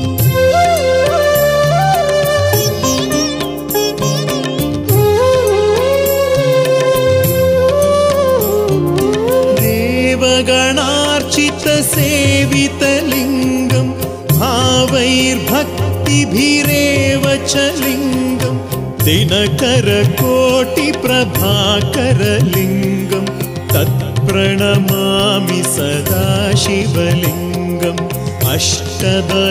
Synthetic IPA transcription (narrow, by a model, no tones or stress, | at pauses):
d̪eːʋɐɡɐɳaːɾt͡ʃit̪ɐseːʋit̪ɐliŋɡɐm | bʱaːʋɐjɾbʱɐk̚t̪ibʱiɾeːʋɐt͡ʃɐliŋɡɐm | t̪enɐkɐɾɐkoːʈipɾɐbʱaːkɐɾɐliŋɡɐm | t̪ɐt̪̚pɾɐɳɐmaːmisɐd̪ʱaːʃiʋɐliŋ | ɡɐm | ɐ̰ʂʈɐd̪ɐ